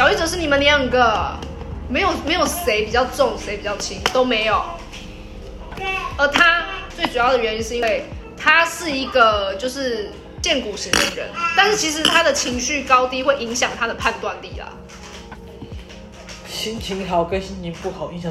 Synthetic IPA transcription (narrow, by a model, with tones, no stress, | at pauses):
ɕjɑ˨˩i˥˩ʈ͡ʂə˨˩ʂ̬ɻ̩˥˩ni˨˩mə˨˦nle˨˩jɑ˥˩ŋɡə˩ | me˧˥ɪjo˨˩ʊme˧˥ɪjo˨˩ʊse˧˥ɪpi˨˩t͡ɕjɑ˥˧ʊʈ͡ʂʊ˥˩ŋse˧˥ɪpi˨˩t͡ɕjɑ˥˩ʊt͡ɕʰi˥ŋt̪o˥ʊme˧˥ɪjo˨˩ʊ | ə˧˥t̪ʰa˥t͡swe˥˩ɪʈ͡ʂu˨jɑ˥˩ʊə˩ɥɛ˧˥ni˦˥nʂɻ̩˥˧i˦˥we˥˩ɪt̪ʰa˥ʂɻ̩˥˩i˧˥ɡə˨t͡ɕjo˥˧ʊʂɻ̩˥˧ | t͡ɕjɛ˥˩nku˨˩ʂ̩˨˥ni˥ŋɻə̰˧˦nt̪a˥˧nʂɻ̩˥˩t͡ɕʰi˧˥ʂ̬ɻ̩˧˥t̪ʰa˥d̪ə˨t͡ɕʰi˧˥ŋɕy˥˩kɑ˥ʊt̪i˥xwe˥˩ɪi˧˥ŋɕjɑ˨˩ŋt̪ʰa˦˥d̪ə˨pʰa˥˧nt̪wa˥˧nlḭ˨˩lə̰˩ | ɕi˦˥nt͡ɕʰi˧˥ŋxɑ˨˩ʊkə˥ɪɕi˦nt͡ɕʰi˧˦ŋpu˥˩xɑ˨˩ʊi˧˦ŋɕjɑ˨